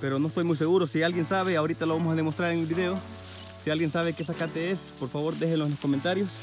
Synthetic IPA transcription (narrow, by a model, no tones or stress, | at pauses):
pe̞ɾono̞est̪ojmujs̬e̞ɣuɾosialɣje̞nsaβeaoɾit̪aloamo̞saðe̞mo̞st̪ɾaɾe̞ŋelbiðe̞o | sialɣje̞nsaβ̞ekes̬akat̪eespoɾfaβo̞ɾd̪e̞xenlosenlosko̞ment̪aɾjo̞s